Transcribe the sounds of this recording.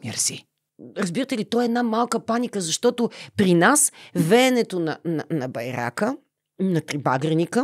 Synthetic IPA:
mʲɛ̰ɾsi | ɾɐzbiɾət̪ɛlit̪ɔɛɛd̪namalˠkəpanʲikəzɐʃt̪ɔt̪ʊpɾinasvɛːnɛt̪onɐnɐnɐbɐjɾa̰kə | nɐt̪ɾibaɡɾɛnikə

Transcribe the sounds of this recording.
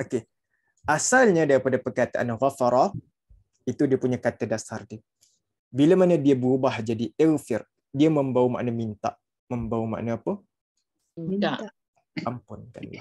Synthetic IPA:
oke | ʔasalɲadaɾipadapərkat̪aʔanɣafaɾa | it̪udiapuɲakat̪adasardi | bilamanadiabəɾubahd͡ʒadiɛlfɪr | diamə̃mbawma̰ʔnamint̪a̰ʔ | məmbawəma̰ʔnaːpə | a | ampʊnka̰na

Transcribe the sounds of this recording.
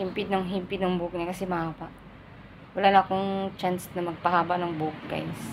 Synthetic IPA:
hɪmpɪd̪̚nɐŋɦimpɪt̪nɐŋbʊk̚ɲakɐsɛmɐhaːbaʔ | wɐlaːnɐːkoŋt͡ʃansnɐmɐɡ̚pɐhaːbɐnɐŋbuk̚ɡa̰jns

